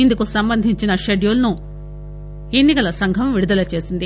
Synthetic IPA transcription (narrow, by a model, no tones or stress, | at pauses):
ind̪ukusɐmbɐnd̪ʱiɲt͡ʃinɐʂeɖjolnu | e̞nːikɐlɐsɐŋɡʱɐmʋiɽud̪ɐlɐt͡ʃe̞ːsind̪i